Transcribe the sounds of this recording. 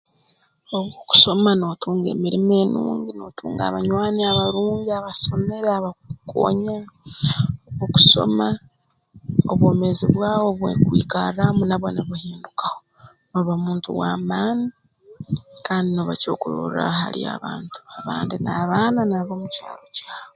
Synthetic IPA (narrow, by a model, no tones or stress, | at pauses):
oβwoku̥so̞mano̞ːtʰuːŋɡe̞̰ːmiɾime̞ːnṵːɲɟino̞ːtʰuːŋɡa̰βaɲwaːniaβaɾuːɲɟiaβaso̞me̞ɾaβakukʰo̰ɲa | oβwoːku̥so̞̰ma | oβwo̞ːmeziβwaːwo̞βwḛkwḭːkaɾamunaβwonaβahiːndukḁho | noβamuːntṵwaːmaːni | kaːndinoβaco̞̰kuɾo̰ɾa̰ha̰ɾḭa̰βaːntu̥aβaːndinaβaːnanaβomuca̰ːɾocaːoo